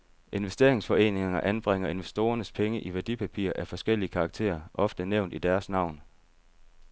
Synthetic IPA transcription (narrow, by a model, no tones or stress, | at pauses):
ʔe̝nʋesd̥e̝ɐe̝ŋsfɒ̽e̝̰ːne̝ŋɐʔænb̥ʁeŋ̰ɐe̝nʋesd̥o̝ːɐnəspʰeŋəʔiʋæɐd̥ipʰæpʰḭːɐʔæfɒ̽sɡ̥el̰iəkʰɑ̈ɡ̥t͡sʰḛːɐʔɒ̽fd̥əneʊ̰nd̥id̥æɐsnɑ̈ʊ̰n